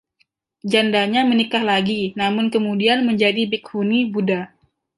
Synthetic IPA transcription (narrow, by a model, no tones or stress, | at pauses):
d͡ʒandaɲamənikahlaɡinamʊnkəmudianməɲd͡ʒadibik̚hunibuda